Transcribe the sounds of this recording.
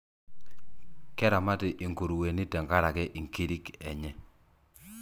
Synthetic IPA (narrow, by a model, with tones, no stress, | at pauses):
kɛ˦ɾa˨ma˦tɪ˨ʔi˨ŋko˨ɾu˨we˨ni˦tɛ˨ŋka˦ɾa˨kɛ˦ʔi˨ŋki˦ɾi˦kɛ̰˨ɲɛ˦